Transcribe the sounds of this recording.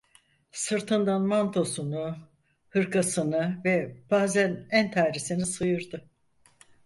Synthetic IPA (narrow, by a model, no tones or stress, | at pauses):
sɯɾt̪ʰɯnd̪anmant̪ʰo̞sunu | hɯɾkʰasɯnɯvɛb̥aːzænænt̪ʰaːɾisinisɯjɯɾd̪ɯ